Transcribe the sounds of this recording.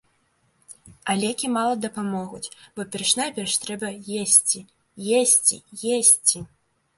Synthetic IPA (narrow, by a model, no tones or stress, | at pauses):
alʲɛkʲimalˠɐd̪ɐpamɔɣut͡sʲb̥ɔpʲɛrʂnajpʲɛrʂt̪ɾɛbɐjesʲt͡sʲi | jesʲt͡sʲḭjesʲt͡sʲi